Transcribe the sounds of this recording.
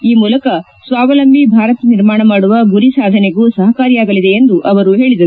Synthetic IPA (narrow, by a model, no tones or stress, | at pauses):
iːmuːlɐkɐ | sʋaːʋɐlɐmbʱibʱaːɾɐt̪niɾmaːɳɐmaːɽuʋɐɡuɾisaːd̪ʱɐneɡuːsɐɦɐkaːɾijaːɡɐlid̪eend̪uʔɐʋɐɾuɦe̞ːɭid̪ɐɾu